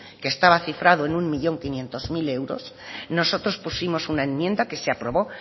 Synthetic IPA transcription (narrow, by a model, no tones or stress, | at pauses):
keːst̪aβaθifɾaðoe̞nuŋmiʎo̞ŋkinjẽ̞nt̪o̞zmile̞wɾo̞̰s | no̞so̞t̪ɾo̞spusimo̞sunae̞nmjẽ̞nd̪ake̞seapɾo̞βo̞